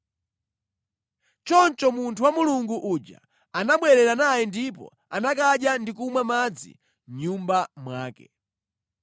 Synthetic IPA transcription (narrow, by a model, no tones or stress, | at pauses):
t͡ʃɔnt͡ʃɔmuntʰuwamuluŋɡuʔud͡ʒa̰ | anaɓwɛɾɛɾanajɛndipɔ̰ | anakaɗjandikumwamad͡zḭ | mɲumbamwaːkɛ̰